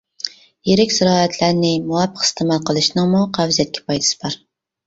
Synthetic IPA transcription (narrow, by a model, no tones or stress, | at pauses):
jeɾɪkʲsɪɾɑːæt̪ʰlæɾnɪmuwɑpʰːəqɪ̥st̪ʰɨmɑlˠqʰəlˠɨʃnɨŋmuqʰæwzijɛt̪̚kʲʰɛ̥pʰɑjd̪ɨ̥sɨ̥bɑɾ